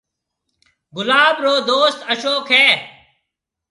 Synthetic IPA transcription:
ɡʊlaːbɾoːd̪oːst̪əʃoːkʰɦɛː

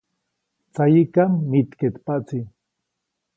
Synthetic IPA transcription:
t͡sajikamːit̪ket̪pat͡si

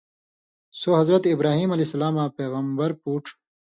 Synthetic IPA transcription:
soɦɐzɾɐt̪ibɾaːɦiːmɐlesɐlaːmaːpeːɣɐmbɐɾpuːʈʰ

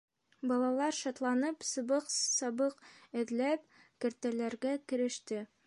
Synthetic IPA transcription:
bɒlˠɑlˠɑɾʃɒt̪lˠɑnɤpsɤ̆bɤqsɑbɤqɘ̆ðlæp̚kɘ̆ɾt̪ælæɾɡækɘ̆ɾɘ̆ʃt̪ɘ

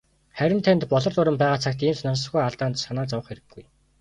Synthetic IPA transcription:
χæɾʲɪ̆nt̪ʰent̪pɔɮɞ̆rɮʊɾə̆mpæːʁaːt͡sʰakt̪iːmsnansɞ̆χɡujaɮt̪aːnt̪sanaːt͡sawə̆χeɾɘ̆ɡːuj

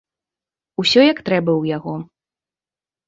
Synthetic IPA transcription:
usʲɔjɐkt̪ɾɛbɐwjaɣɔ

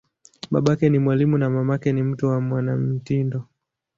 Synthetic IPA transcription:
ɓa̰ɓakɛnimwalimunamamakɛnim̩tuwamwanam̩tindɔ

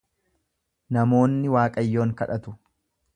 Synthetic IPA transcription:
nɐmo̞ːnːɪwaːkʼɐjːo̞ːŋkɐᶑɐt̪ʊ

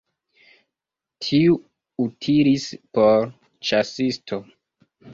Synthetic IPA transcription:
tʰiu | utʰiɾispoɾ | t͡ʃasistʰo

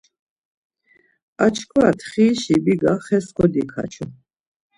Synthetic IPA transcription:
at͡ʃʰkʰwaat̪ʰχiːʃibiɡaχɛskʰʼɔd̪ikʰa̰t͡ʃʰɔ

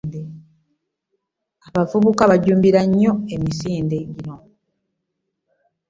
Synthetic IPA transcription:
de | aβavuβukaβaɟuːmbiɾaɲːo̞emisiːndeɟino̞

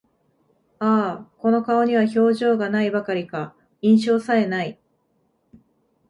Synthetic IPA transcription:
aːko̞no̞kao̞ɲ̟iβ̞aço̞ːʑo̞ːɡanaibakaɾʲika | ĩɰ̃ɕ̬o̞ːsaɾe̞nai

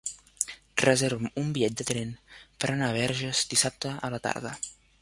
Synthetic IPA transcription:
rəzeɾβəmumbiʎɛt̪̚d̪ət̪ɾɛnpəɾʔənaβ̞ɛɾʒəzd̪isap̚t̪əələt̪a̰ɾðə̰

